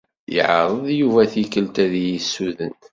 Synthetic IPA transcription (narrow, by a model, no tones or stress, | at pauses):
jə̰ʕɾˤəðˤjuvæθikːəlt̪æðjisːuðən